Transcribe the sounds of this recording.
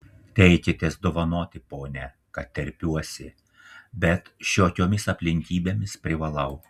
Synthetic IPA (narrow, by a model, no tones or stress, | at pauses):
t̪ʲɛɪkʲɪt̪ʲeːsd̪oːʋɐnoːt̪ʲɪpoːnʲɛ | kɐt̪t̪ʲːɛɾʲpʲuɔsʲɪ | bʲɛt̪ʃʲoːkʲoːmʲɪsɐpʲlʲɪŋʲkʲiːbʲeːmʲɪspʲɾʲɪʋɐlˠɐʊ